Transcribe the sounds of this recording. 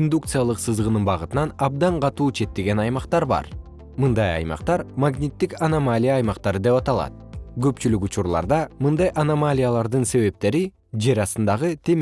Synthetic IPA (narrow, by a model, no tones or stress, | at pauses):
ind̪ukt̪sɨjalˠɯqsɯzʁɯnɯnbɑʁɯt̪ɯnɑnɑb̚d̪ɑɴqʰɑt̪uːt͡ʃʰe̞t̪ːe̞ɡe̞nɑjmɑqt̪ɑɾbɑ̰ɾ | mɯnd̪ɑjɑ̰jmɑ̰qt̪ɑɾmaɡnʲit̪ːikanamalʲijaːjmɑqt̪ɑɾɯd̪e̞pɑt̪ɑlˠɑ̰t̪̚ɡø̞pt͡ʃylykut͡ʃuɾlˠɑ̰ɾd̪ɑmɯnd̪ɑjʔanamalʲijalˠɑɾd̪ɯnse̞βe̞p̚t̪e̞ɾi | d͡ʒeɾɑsɯnd̪ɑʁɯt̪ʰe̞m